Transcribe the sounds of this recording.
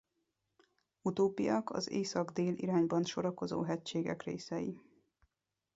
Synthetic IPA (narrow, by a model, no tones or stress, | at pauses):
ut̪oːpijɒkɒ̰zeːsɒɡd̪eːlʔḭɾaːɲbɒnʃo̞ɾɒko̞zo̰ːɦɛct͡ʃeːɡɛ̰krḛːsɛji